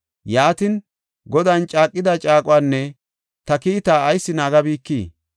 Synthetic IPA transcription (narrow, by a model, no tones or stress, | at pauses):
jaːt̪ɪn | ɡɔd̪ant͡ʃʼaːkʼːɪd̪ɐt͡ʃʼaːkʼʊwaːnːɛ | t̪ɐkiːt̪aːɐjsːɪnaːɡɐbiːkːiː